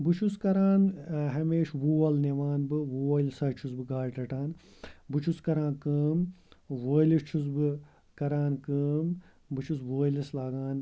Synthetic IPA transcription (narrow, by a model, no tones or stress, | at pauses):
bɨt͡ʃʰuskɐɾaːnɦɐmeːʃwuːwɐlneʋaːnbɨwuːɐːlsɐːt͡ʃʰusbɨɡaːɾʈɐʈaːn | bɨt͡ʃʰuskɐɾãːnkɨːmwoːlist͡ʃʰus̬bɨ | kɐɾaːnkɨːm | bɨt͡ʃʰus̬woːlɐslaːɡaːn